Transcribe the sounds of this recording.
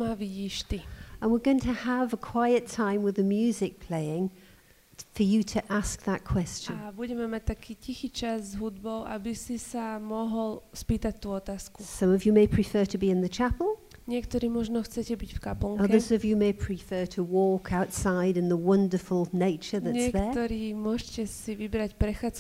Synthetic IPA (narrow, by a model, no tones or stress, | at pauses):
maʋiɟiːʃt̪iə̃nwɪɹɡoʊɪ̃ŋtʰəəvəkʰw̥aɪɨtʰãɪ̃mwɨðəmjʉːzɪk̚pʰl̥eɪɪ̃ŋ | fə˞jɨɾʰəʔask̚ðət̚kʰw̥ɛst͡ʃɨ̃nnbuɟɛmɛmac̚t̪akiːcixiːt͡ʃaszɦud̪bɔʊʔa̰bisisamɔɦɔlspiːt̪ac̚t̪uːɔt̪aːskusʌ̃mʌvjɨmeɪpʰɹ̥ɨfɜ˞ɾəbiɨ̃nðɨt͡ʃʰapl̩ˠ | ɲɪɛkt̪ɔɾiːmɔʒnɔxt͡sɛcɛbicfkapɔŋʌɛðə˞zʌvjɨmeɪpʰɹ̥ifɜːɾʰəwɔˑkʰaʊtsaɪɾɨ̃nðəwʌ̃ndə˞fəlˠneɪt͡ʃəðɨɲɪɛðkət̪ɔɾiːmʊɔʃcɛsiʋibɾacpɾɛxaːt͡s